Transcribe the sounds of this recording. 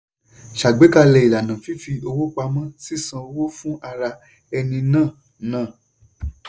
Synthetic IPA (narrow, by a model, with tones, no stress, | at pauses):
ʃa˨ɡ͡be˨˦ka˧lɛ˧i˨la˨nã˨fi˨˦fi˧o˧wo˦k͡pa˧mã˦si˦˨sã˧o˧wo˦fũ˦a˧ɾa˧ | ɛ˧nĩ˧nãː˦˨ | nãː˦˨